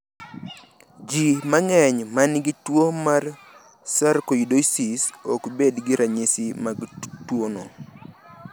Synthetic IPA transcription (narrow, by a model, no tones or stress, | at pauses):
d͡ʒimaŋɛɲmanɡɪtwomar | saɾkojidoisisokbedɡɪɾaɲesɪmaɡtwono